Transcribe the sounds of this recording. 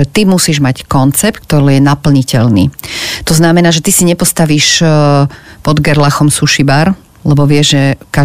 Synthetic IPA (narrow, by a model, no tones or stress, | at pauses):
ɛt̪imusiːʒmackɔnt͡sɛp̚t̪̚k̚t̪ɔɾɛːjɛnapl̩ɲicɛʎnḭːt̪ɔznamɛnaːʒɛt̪isiɲɛpɔst̪aʋiːʃ | pɔd̪ɡɛɾlaxɔmsuʃibaɾ | lɛbɔʋɪɛʒʒɛka